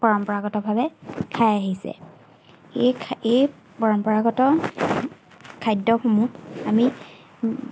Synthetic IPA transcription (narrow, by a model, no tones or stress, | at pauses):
pɔɹɔmpɔɹaɡɔtɔbʱabɛkʰajaɦisɛ̰ | ee | pɔɹɔmpɔɹaɡɔtɔ | kʰajdɔxumũami